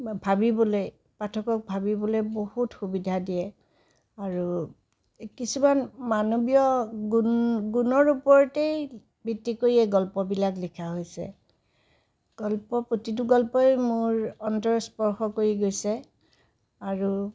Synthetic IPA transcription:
bʱabibɔloj | patʰɔkɔk̚bʱabibɔlojbohutxubidʱadijɛ | aɹu | kisumanmanobijɔɡunɡunɔɹupɔɹtej | bitːikoɹiɛɡɔlpɔbilaklikʰaɦojsɛ̰ | ɡ̥ɔlpɔpɹotit̬ʊɡɔlpɔjmʊɹɔntɔɹspɔɹxɔkoɹiɡojsɛ | aɹu

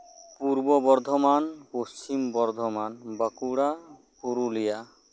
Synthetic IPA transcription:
puɾbɔbɔɾd̪ʱɔmanpost͡ʃimbɔɾd̪ʱɔmanbakuɽa | kuɾulija

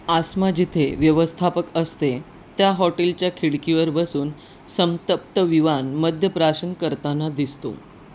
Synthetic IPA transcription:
asmad͡ʑit̪ʰeʋjəʋəst̪ʰapəkəst̪e | t̪jaɦɔʈelt͡ɕjakʰiɭkiʋəɾbəsuːn | səmt̪əp̚t̪əʋiʋanməd̪ʱjəpɾaɕənkəɾt̪anad̪ist̪o̰

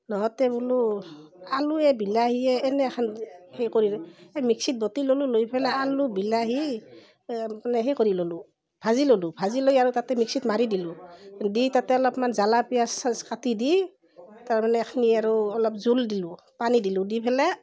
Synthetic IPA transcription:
nɔɦɔtɛbulu | aluɛbilaɦiɛːnɛxʰanhɛjkoɹilɛmiksit̚bɔtilolulojpʰɛlɛalubilaɦi | anɛɦɛjkoɹilolu | bʰʱazilolubʱazilojaɹutatɛmiksitmaɹidilʊditatɛɔlɔpmanzalapijaskatidi | taɹmanɛkʰniaɹuɔlɔpzuldilʊ | panidilʊdipʰɛlɛ

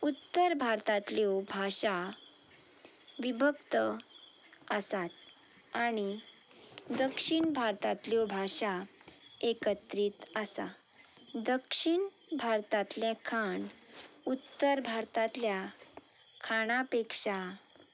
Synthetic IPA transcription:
ut̪ːəɾbʱaɾt̪at̪ljobʱaʂa | ʋibʱəkt̪ə | əsat̪ | aɽ̃i | d̪əkʂiɳbʱaɾt̪at̪ljobʱaɕa | ekət̪ɾiːt̪əsa̰ | d̪əkʂiɳbʱaɾt̪at̪ljɛ̃kʰaɳut̪ːəɾbʱaɾt̪at̪lja | kʰaɽ̃apekʂa

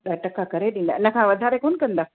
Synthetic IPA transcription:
ɗɐʈəkakɐɾeɗĩːn̆d̪aːʔɪnə̆kʰãːʋɐd̪ʱaːɾekoːnkɐ̃nd̪aː

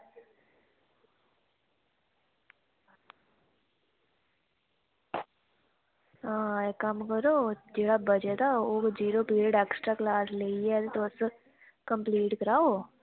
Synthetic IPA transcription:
aːɛkɐmkəɾoːd͡ʒeːɽabəd͡ʒet̪aoːkd͡ʒiːɾopiːɾeɖeːksʈɾaklaːsleːiɛt̪et̪os | kə̃mpliːʈkəɾaːo

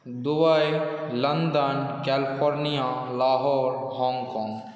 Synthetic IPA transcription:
d̪ʊbajlɐnd̪ənkɛːlɪpʰoːɾnijalaːɦɔːɾhɔ̃ːŋɡkɔ̃ːŋɡ

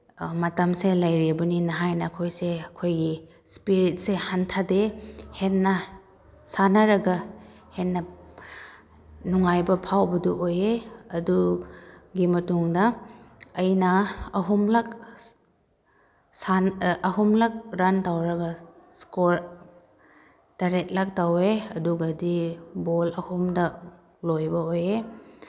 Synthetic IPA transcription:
mɐtɐmselɐjɾibɐninɐɦajnɐːkʰojseɐkʰojɡi | spiɾit̚sehantʰadehenːɐ | sanɐɾɐɡɐ | henːɐ | nuŋajbɐpʰawbɐduʔojeɐdu | ɡimɐtuŋdɐː | jnɐɐɦumlak̚ | sanɐɦumlak̚ɾantawɾɐɡɐskoɾ | taɾet̚lak̚taweɐduɡɐdibolɐhumdɐ | lojbɐoje

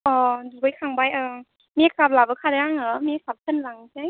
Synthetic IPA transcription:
ʔɔdubajkʰaŋbajʔɯː | miak̚ap̚labɯkʰadaɾaŋɯmiasap̚sʰɯnlaŋt͡ɕaj

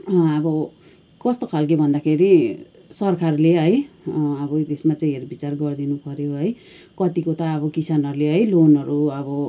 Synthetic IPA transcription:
ʌbʌ | kʌst̪okʰalk̬ibʱʌnd̪akʰeɾi | sʌrkʰarleɦʌjʌbʌt̪esmat͡saĩɦeɾbit͡sarɡʌrd̪inupʌɾjoɦʌj | kʌt̪ikot̪ʌːbʌkisanʌɾuleɦʌjlonʌɾuʌbʌ

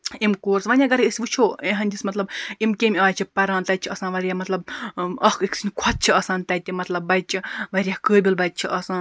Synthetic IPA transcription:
imkoːɾsʋɐnʲjaɡɐɾeɨsʲʋut͡ʃʰoːẽɦɐnʲd̪ʲismɐt̪lɐbimkʲemʲaːt͡ʃʰipɐɾãːnt̪ɐj̪̚t͡ʃʰiɐsãːnʋɐɾʲjaːmɐt̪lɐb̚ɐhkʰiksʰinʲkʷʰɐt̪̚t͡ʃʰiɐsãːnt̪ɐjt̪ʲːimɐt̪lɐbːɐj̚t͡ʃʰiʋɐɾʲjakəːbʲilbɐjt̪̚t͡ʃʰiʔɐsãːn

